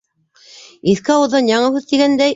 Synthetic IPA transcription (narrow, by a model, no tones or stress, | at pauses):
iθkɘɑwɤ̆ðːɑnjɑɴɤʉðt̪iɡænd̪æj